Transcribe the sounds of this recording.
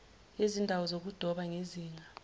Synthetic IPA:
ezindʱawɔzok̬ud̥ʱɔɓaŋeziːŋʱa

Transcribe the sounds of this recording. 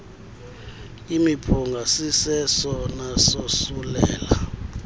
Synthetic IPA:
imipʰuŋɡʱasisɛsɔnasosulɛ̰ːla

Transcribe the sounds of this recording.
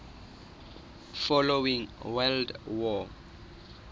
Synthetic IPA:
fɔlowĩŋwɛldwɔ

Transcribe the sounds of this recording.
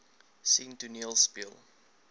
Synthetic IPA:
sĩntunilˠspilˠ

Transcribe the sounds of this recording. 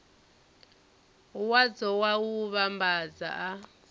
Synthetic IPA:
wad͡zɔwawuβambad͡za̰ʔa

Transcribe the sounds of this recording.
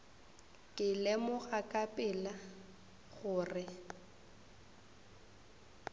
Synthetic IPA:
kʼɪlɛmʊɣakʼapʼɪla | ɣʊːrɪ

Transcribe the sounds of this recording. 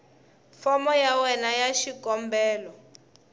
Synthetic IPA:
fɔmɔjawɛnajaʃikɔmbɛːlɔ

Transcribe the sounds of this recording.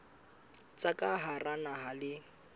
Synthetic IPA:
t͡sʼakʼaɦaranaɦalɪ

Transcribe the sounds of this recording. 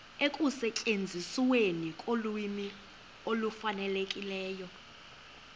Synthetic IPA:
ekʼusɛcʼend͡zʱisiwenikʼoluimi | olufanɛlekʼilɛːjɔ

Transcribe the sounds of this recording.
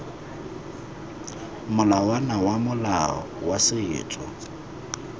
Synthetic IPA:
mʊlawanawamʊlaɔ̰wasɪɪ̰ːt͡sʼɔ̰

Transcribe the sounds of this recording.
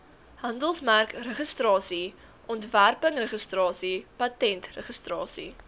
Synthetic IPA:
hɐndəlˠsmærkrəχəstrɑːsi | ʔɔntværpəŋrəχəstrɑːsipɐtɛntrəχəstrɑːsḭ

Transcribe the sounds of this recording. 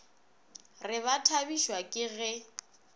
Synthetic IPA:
rɪβatʰabiʃwakʼɪɣɛ

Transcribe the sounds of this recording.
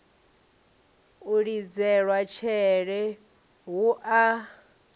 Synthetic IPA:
uɺid͡zɛɺwat͡ʃʰɛɺɛ | ɦuʔa

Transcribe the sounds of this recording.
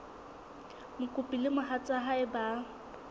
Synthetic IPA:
mʊkʼʊpʼilɪmʊɦat͡sʼaɦaɪba

